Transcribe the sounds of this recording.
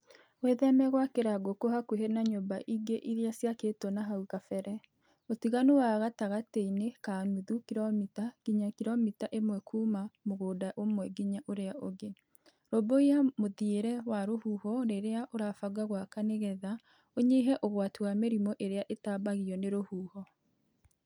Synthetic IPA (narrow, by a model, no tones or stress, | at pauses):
weðɛmɛɣwakeɾaɡokohakweɦenaɲobaʔiɡeʔiɾeasjakeːtɔnaɦaukafɛɾɛ | otiɣanowaɣataɣateinekanuðukiɾɔmitaɡ̥iɲakiɾɔmitaʔemwɛkʰuːmamoɣoːdaʔomwɛɡiɲaʔoɾeaʔoɣe | ɾoboiamoðieɾɛwaɾohuhɔneɾeaʔoɾafaɡaɣwakaneɣɛða | oɲeɦɛʔoɣwatuwameɾimɔʔeɾeaʔetabaɣiɔneɾohuːhɔ